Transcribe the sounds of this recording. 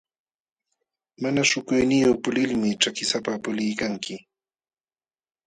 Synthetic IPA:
manaʃʊkʊjnɪjoχpʊlɪlmɪt͡ʃakɪsapapʊlɪjkaŋkɪ

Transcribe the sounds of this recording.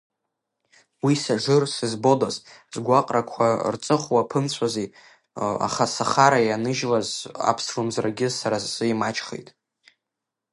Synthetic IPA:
wisaʐɨrsɨzbo̞dazzɡʷaqʼrakʷʰart͡sʼɨχʷwapʰɨnt͡sʷʰaze | a̰χasaχaɾajanɨʒlaza̰pʰsrɨmzraɡʲɪsaɾazsɨimat͡ʃʰʼχḛjtʼ

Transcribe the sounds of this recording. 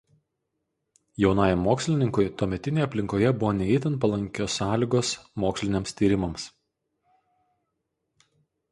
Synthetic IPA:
jɛʊnɑːjɛmːoːksʲlʲɪnʲɪŋkʊjt̪oːmʲɛt̪ʲɪnʲeːjɐpʲlʲɪŋkoːjɛbʊʋoːnʲɛɛɪt̪ʲɪnt̪pɐlˠɐŋʲkʲoːsːɑːlʲiːɡoːsmoːksʲlʲɪnʲeɛːmst̪ʲiːɾʲɪmɐms

